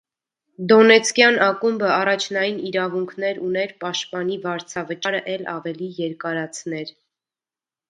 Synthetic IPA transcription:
d̪ɔnɛt͡sʰkjɑnɑkumbəɑrɑt͡ʃʰnɑjiniɾɑvuŋkʰnɛɾunɛɾpɑʃt̪̚pɑnivɑɾt͡sʰɑvət͡ʃɑɾəʔɛlɑ̰vɛlijɛɾkɑɾɑt͡sʰnɛɾ

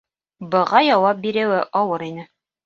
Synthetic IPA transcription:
bɤ̆ʁɑjɑwɑp̚biɾæwɘʔɑwɤɾinɘ

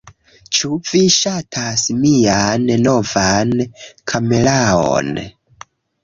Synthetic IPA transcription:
t͡ʃuviʃatʰasmianno̞vankʰame̞lao̰n

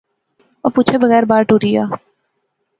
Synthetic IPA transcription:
oːput͡ʃʰebəɣɛːɾbaːɾʈuːɾija̰ː

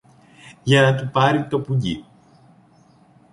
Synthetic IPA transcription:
ʝɐnɐt̪upɐɾit̪o̞puɟḭ

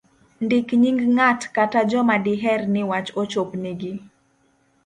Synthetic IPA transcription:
ndɪkɲiŋɡŋatkatad͡ʒɔmadɪɦɛrnɪwat͡ʃot͡ʃopniɡɪ

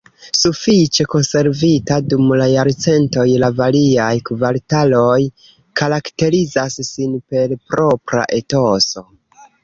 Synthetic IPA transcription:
sufit͡ʃe̞ko̞nse̞ɾvitadumlajaɾt͡se̞nto̞jlavaliajkvaɾtalo̞j | kaɾakte̞ɾizasːinpe̞lpɾo̞pɾa̰ʔe̞to̞so̞

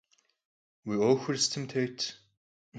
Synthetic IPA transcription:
wioːxɨrstʰɨmtʰeːtʰ

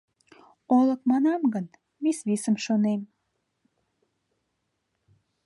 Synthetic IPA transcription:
olək̚mɑnɑmɡən | misβisəmʃonem

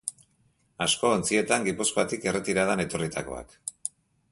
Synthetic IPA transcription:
asko̞ːnt͡sie̞t̪aŋɡipuskoat̪ike̞re̞t̪iɾaðane̞t̪o̞rit̪ako̞̰a̰k

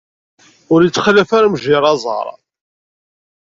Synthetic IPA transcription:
ʊɾjit͡sːχlæfaɾamʒɪɾˤɑzˤɑ̰ɾˤ

